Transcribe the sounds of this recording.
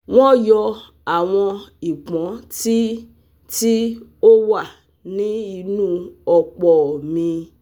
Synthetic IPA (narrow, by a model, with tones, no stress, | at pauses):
w̃ɔ̃˦jɔ˧ | a˨w̃ɔ̃˧i˨k͡pɔ̃˨˦ti˦ | ti˦o˦wa˦˨ | nĩ˨˦i˧nũ˦ɔ˧k͡pɔ˨mĩ˧